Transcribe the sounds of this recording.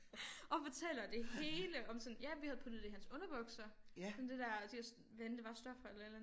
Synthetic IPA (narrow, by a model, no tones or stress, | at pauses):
ɒ̽fɒt͡sʰel̰ɐd̥e̝ɦɦe̝ːləʔɒ̽msɒ̽njæʋihæð̞̩ˠpʰud̥ðˠd̥ehænsɔ̽nɐʋɔ̽ɡ̥sɐsɒnd̥e̝d̥æɐd̥eɒs | ʋend̥əʋɑ̈sd̥ɒ̽fɐelɐelæ